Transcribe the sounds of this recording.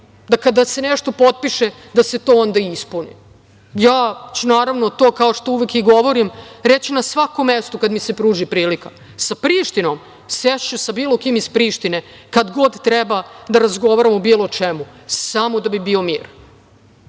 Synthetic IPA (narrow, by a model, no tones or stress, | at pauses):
d̪akad̪ase̞neʃt̪o̞pot̪̚piʃe | d̪ase̞t̪oːond̪aispunḭ | jaːt͡ɕunaːɾaʋnot̪o̞ːkaoʂt̪ouʋekiɡo̞ʋoɾimɾet͡ɕinasʋakomːest̪ukad̪misepɾuːʒipɾiːlika | sapɾiːʃt̪ino̞m | seʃt͡ɕusabiːlˠo̞kiːmispɾiːʃt̪ine̞kad̪ɡo̞d̪t̪ɾebad̪aɾazɡo̞ʋaɾamobiːlˠot͡ʃemusamod̪abibiːo̞mḭːɾ